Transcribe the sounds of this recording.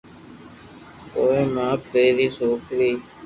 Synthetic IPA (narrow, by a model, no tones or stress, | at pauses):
koːeːmãːpeːɾiːsoːkɾiː